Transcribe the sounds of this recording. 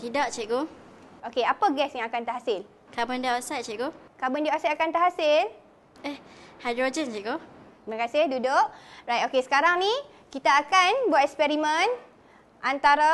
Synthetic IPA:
t̪idaʔt͡ʃeɡo | okeapəɡɛsjaŋakant̪əɦasɪl | kabəndaʔosat͡ʃɛʔɡokabəndiaʔasaakant̪əɦasɪl | ehhadɾod͡ʒənt͡ʃɛʔɡot̪imãkasɪhdudoʔɾajt̪okesə̥kaɾaŋni | kit̪aːkanbwat̪ɛkspɛɾimə̃n | ʔant̪aɾa

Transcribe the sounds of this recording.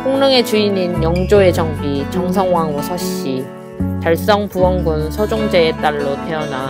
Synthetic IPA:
ɸʰoŋnɯŋe̞t͡ɕuininjʌŋd͡ʑoe̞t͡ɕʌŋbit͡ɕʌŋs̬ʰʌŋwaŋwosʰaɕ͈i | paɭs͈ʌŋpuwʌŋɡunsʰʌd͡ʑoŋd͡ʑe̞ːt͈aɭːotʰe̞ʌna

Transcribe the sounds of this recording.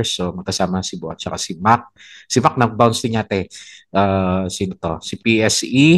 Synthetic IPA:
somɐɡ̚kɐsaːmɐsɪboʔɐ̰t͡ʃɐkasimak̚ | sɪmak̚nɐɡ̚bawnsd̪ɪŋaːt̪ɛʔaːsinot̪o̰sipiʔɛsi

